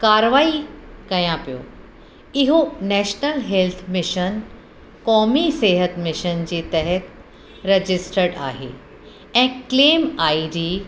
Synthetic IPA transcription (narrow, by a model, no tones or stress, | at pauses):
kaːɾʋaːikɐjãpijo̰ | ɪɦonɛːʃnəlɦelt̪ʰmɪʃən | kɔːmiseːɦət̪mɪʃənd͡ʑeːt̪ɛɦət̪ | ɾɐd͡ʑɪsʈəɾɖa̰ːɦḛː | ɛ̃ːkleːmaːiɖiː